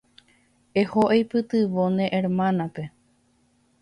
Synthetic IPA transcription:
ehoʔejpɨt̪ɨʋonẽʔeɾmãnãpe̞

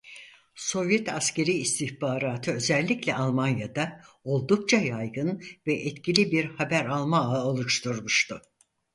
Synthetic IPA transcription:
so̞vjɛt̪ʰasce̞ɾiːst̪ʰiçbaːɾaːt̪ʰɯø̞zɛlʲːiclʲɛʔalˠmanjad̪a | o̞lˠd̪uk̚t͡ʃʰajajɡɯnvɛʔɛt̪cʰilʲibiɾhabæɾalˠmaɯolˠuʃt̪ʰuɾmuʃt̪ʰʊ

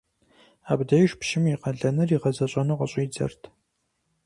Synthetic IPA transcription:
aːbdɐjɪʃpʃɪmiqɐɮɐnɐriʁɐzɐɕʼɐnuqɐɕʼiːd͡zɐ̰rtʰ

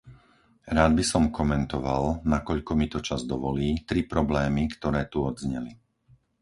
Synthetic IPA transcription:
ɾaːd̪̚bisɔmkɔmɛnt̪ɔʋalnakɔʎkɔmit̪ɔt͡ʃazd̪ɔʋɔliːt̪ɾipɾɔblɛːmikt̪ɔɾɛːt̪uɔd̪zɲɛ̰li

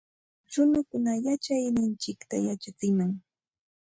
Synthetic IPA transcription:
ɾʊnakʊnajat͡ʃajnɪnt͡ʃɪkt̪ajat͡ʃat͡sɪmaŋ

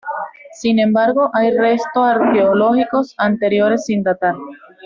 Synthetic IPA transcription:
sinẽ̞mbaɾɣo̞ʔajre̞st̪o̞saɾkeolo̞xiko̞sant̪e̞ɾjo̞ɾe̞sːind̪at̪aɾ

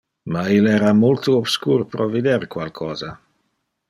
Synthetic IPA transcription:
mailɛːɾamult̪uobskuːɾpɾʔɔvid̪eɾkwalkʰɔːza

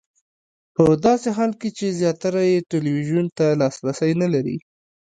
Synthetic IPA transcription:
pəd̪ɑseɦɑlket͡ʃezjɑt̪aɾajeʈeliwiʒunt̪alɑsɾasəjnalaɾḭ

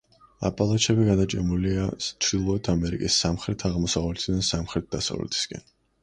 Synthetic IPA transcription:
a̰pʼalˠat͡ʃʰɛbiɡad̪at͡ʃʼɛmuliat͡ʃʰɾilˠɔɛt̪ʰamɛɾḭkʼisːamχɾɛt̪ʰaʁmɔsavlɛt̪ʰid̪ansamχɾɛt̪̚d̪asa̰vlɛ̰t̪ʰi̥skʼɛ̰n

